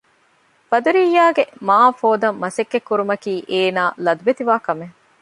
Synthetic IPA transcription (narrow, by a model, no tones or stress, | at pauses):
b̥ɐd̪uɾiːjːaːɡemaːfoːd̪ɐmːɐsekːekːuɾumɐkiːʔeːnaːlɐd̪uʋet̪iʋaːkɐme